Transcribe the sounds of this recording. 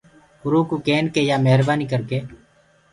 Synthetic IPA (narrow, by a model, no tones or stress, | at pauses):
ʊɾuːkuːkeːnkeːjaːmeɦɾbaːniːkəɾkeː